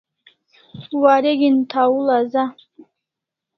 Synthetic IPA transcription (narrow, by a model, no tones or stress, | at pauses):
waɾeɡʲint̪ʰawulaza